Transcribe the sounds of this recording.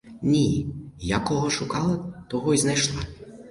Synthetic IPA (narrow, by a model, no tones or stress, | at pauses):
nʲijakɔɦɔʃʊkɑlˠɐt̪ɔɦɔiznɛʃlˠa